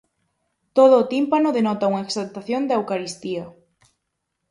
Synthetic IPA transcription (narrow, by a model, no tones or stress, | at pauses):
t̪oð̞ʊːt̪impanoðenɔt̪auŋaeksalt̪aθjond̪ewkaɾist̪ia